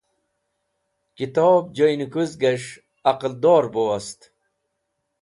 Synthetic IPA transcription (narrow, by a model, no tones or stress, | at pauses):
kit̪ɔːb̚d͡ʑojnukuzɡɐʂ | ɐqəld̪ɔːɾbowɐst̪